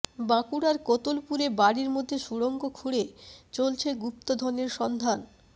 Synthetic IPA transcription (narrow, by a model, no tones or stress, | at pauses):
bakuɽaɾkot̪olpuɾebaɽiɾmod̪ʱːeʃuɽoŋɡokʰuɽet͡ɕolt͡ɕʰeɡup̚t̪od̪ʱɔneɾʃɔnd̪ʱan